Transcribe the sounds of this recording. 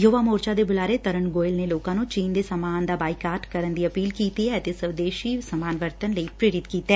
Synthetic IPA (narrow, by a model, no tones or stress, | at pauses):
joːʋamoːɾt͡ʃad̪ebʊlaːɾet̪ɐɾəɳɡoːɪlneloːkãnũt͡ʃiːnd̪esɐmaːnd̪abaːikaːɾʈkɐɾənd̪iɐpiːlkiːt̪iɦɛt̪esɐʋd̪eːʃisɐmaːnʋəɾt̪ənləipɾeːɾɪt̪kiːt̪ɛː